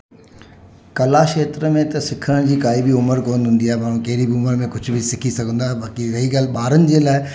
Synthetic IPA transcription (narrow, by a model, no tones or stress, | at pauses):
kɐlaʃeːt̪ɾəmẽt̪ɐsɪkʰəəɽ̃d͡ʑiːkaːibʱiʊməɾkoːnɦʊ̃nd̪iaɦɛbaːɽ̃ũkeːɾibʱiʊməɾmẽkʊd͡ʑʰbʱisɪkʰisɐɡʱə̃nd̪aɦɛbaːkiɾɐɦikalɓaːɾənɪ̆d͡ʑeːlaːɪ